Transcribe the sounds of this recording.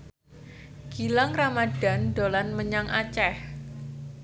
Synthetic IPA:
ɡ̥ilaŋramad̥a̤ndolanməɲaŋʔat͡ʃɛh

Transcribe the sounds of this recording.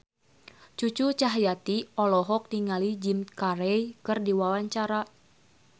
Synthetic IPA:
t͡ʃut͡ʃut͡ʃaɦjat̪iɔlɔɦɔk̚niŋalid͡ʒimkaɾɛjkɨrdiwawaɲt͡ʃaɾa

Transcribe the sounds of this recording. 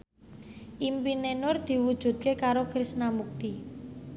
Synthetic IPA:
ʔimpinenʊrd̪̥i̤wud̥ʒ̥ṳt̪̚kekaɾokɾisnamuk̚t̪i

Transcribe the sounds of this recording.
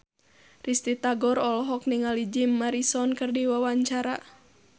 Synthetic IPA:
rist̪it̪aɡɔɾɔlɔɦɔk̚niŋalid͡ʒimːaɾisɔnkɨrdiwawaɲt͡ʃaɾa

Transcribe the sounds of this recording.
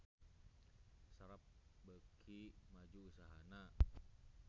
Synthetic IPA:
saɾap̚bəkʰimad͡ʒuːsaɦana

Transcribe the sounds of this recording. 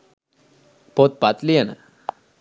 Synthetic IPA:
pot̪̚pat̪lijənə̰

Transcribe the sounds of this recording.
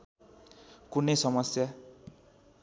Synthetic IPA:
kunejsʌmʌsja

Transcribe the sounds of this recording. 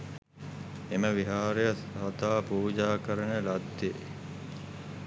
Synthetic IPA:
eməʋiɦaːɾejɐsɐt̪aːpuːd͡ʒaːkəɾənəlɐd̪ːe

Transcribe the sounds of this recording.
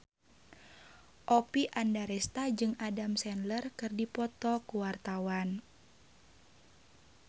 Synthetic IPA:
ʔɔpiʔandaɾɛst̪ad͡ʒɨŋadamsɛnlərkɨrdipɔt̪ɔkuwart̪awan

